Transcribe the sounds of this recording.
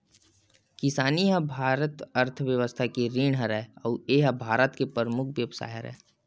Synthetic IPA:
kɪsaːniɦə̃bʱaːɾət̪əɾt̪ʰʋjəʋəst̪ʰakiɾiːɳ̃ɦəɾɛɔːeɦəbʱaːɾət̪kepəɾəmʊkʰʋjəʋsa̰ːjɦə̰ɾɛ̰ː

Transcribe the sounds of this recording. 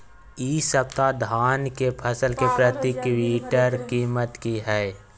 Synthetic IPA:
iːsəpt̪ad̪ʱaːnkepʰəsəlkepɾət̪ɪkwiːʈəɾkiːmət̪kiɦɛː

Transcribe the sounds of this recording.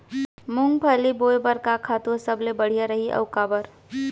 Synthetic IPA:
mʊŋɡ̚pʰəliboːjbəɾkakʰaːt̪usəblebəɽ̤ijaɾəɦiʔɐ̰ʊkabəɾ

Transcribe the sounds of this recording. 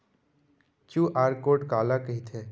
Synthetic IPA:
t͡ʃuːʔaːɾkoːʈkaːlakɐɦit̪ʰeː

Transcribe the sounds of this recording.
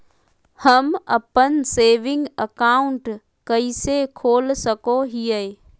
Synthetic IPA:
hɐmɐ̰pənseːʋɪ̃ŋɡəkaːʊɳʈ | kɐisekʰoːlsɐkoɦiːəe

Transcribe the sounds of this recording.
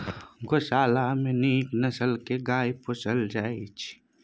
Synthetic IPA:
ɡoʃaːlamẽniːknɐsəlkeɡaːiposəld͡ʒaːit͡ʃ

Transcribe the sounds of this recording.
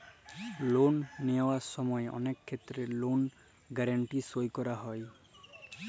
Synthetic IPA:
lonːiawasɔmɔeʔɔ̰nekʰːet̪ːɾelon | ɡaɾaɳʈisojkɔɾaɦɔj

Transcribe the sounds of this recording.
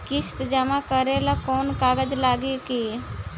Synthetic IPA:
kɪst̪d͡ʒəmãkəɾelakɔːnkaːɡəd͡ʒlaːɡeke

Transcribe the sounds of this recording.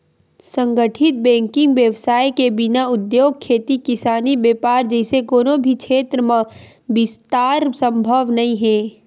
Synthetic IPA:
sə̃ŋɡəʈʰɪt̪̚bɛ̃ːŋkɪ̃ŋɡʋjəʋsaːjkebɪnaʊd̪joːɡ̚kʰeːt̪ikɪsaːnibeːpaːɾd͡ʒɛɪsekoːnobʱikʃʰeːt̪ɾəmã | bɪst̪aːɾsə̃mbʱəʋnɐɦĩɦɛ̃ː

